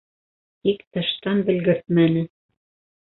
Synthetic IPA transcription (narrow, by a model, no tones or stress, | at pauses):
t̪ikt̪ɑʃt̪ɑnbɘ̆lɡɘɾθmænɘ